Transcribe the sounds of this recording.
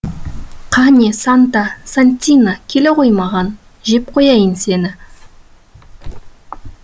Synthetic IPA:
qʰɑnʲesɑnt̪ɑsanʲt̪ʲinakʲʰe̞le̞qʰo̞jmɑʁɑn | ʒe̞p̚qʰo̞jɑjənse̞nɪ

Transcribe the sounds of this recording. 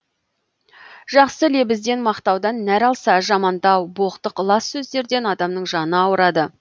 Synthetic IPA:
ʒ̥ɑqsəle̞bɪzd̪e̞nmɑqt̪ɑwd̪ɑnːæɾɑlˠsɑʒɑmɑnd̪ɑwboqt̪əqlˠɑsːɵzd̪e̞ɾd̪e̞nɑd̪ɑmnəɴʒɑnəɑwəɾɑd̪ə

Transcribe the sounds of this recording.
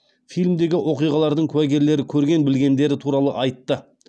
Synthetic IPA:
fijlʲmd̪e̞ɡʲɪwo̞qijʁɑlˠɑɾd̪əɴkʲʰʉwæɡʲe̞ɾle̞ɾɪkʲʰɵɾɡʲe̞nbɪlɡʲe̞nd̪e̞ɾɪt̪ʰuɾɑlˠə̰ʔɑjt̪ːə

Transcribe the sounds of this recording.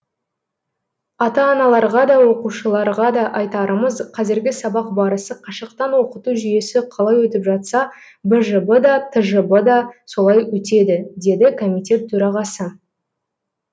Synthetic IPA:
ɑt̪ɑːnɑlˠɑɾʁɑd̪ɑwo̞quʃəlˠɑɾʁɑd̪ɑʔɑjt̪ɑɾəməzqʰɑzɪɾɡʲɪsɑbɑq̚bɑɾəsəqʰɑʃəq̚t̪ɑnwo̞qət̪uʒʏje̞sɪqʰɑlˠɑjwɵt̪ɪpʒɑt̪sɑ | bəʒəbəd̪ɑt̪ʰəʒəbəd̪ɑso̞lˠɑjwɵt̪e̞d̪ɪd̪e̞d̪ɪkʰo̞mʲijt̪ʲe̞t̪ʰːɵɾɑʁɑsə

